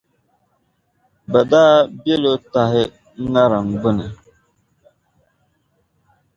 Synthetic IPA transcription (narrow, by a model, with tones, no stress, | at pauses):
ba˨daː˦bje˦lo˦ta˨ɦɪ˦ | ŋa˦ɾa˨ŋ˨ɡ͡bə˦nə˨